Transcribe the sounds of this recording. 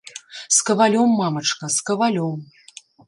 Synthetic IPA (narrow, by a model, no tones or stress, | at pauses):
skɐvalʲɔmːamɐt͡ʂkɐskɐvalʲɔm